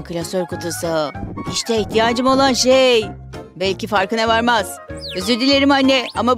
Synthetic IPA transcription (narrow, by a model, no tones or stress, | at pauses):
kʰɯlʲasoɾkot̪ʰusahiʃt̪ʰɛiçt̪ʰijaːd͡ʒɯmo̞lˠanʃej | bɛlʲcifaɾkɯnɛvaɾmaz̥øzyɾd̪ilʲeɾimhanːɛama